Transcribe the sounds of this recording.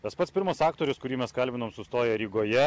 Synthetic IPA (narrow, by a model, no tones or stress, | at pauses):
t̪ɐspɐt̪sʲpʲɪɾmɐsɑːkt̪oːɾʲʊskʊɾʲiːmʲɛskɐlʲbʲɪnoːmsʊst̪oːjɛɾʲiːɡoːjɛ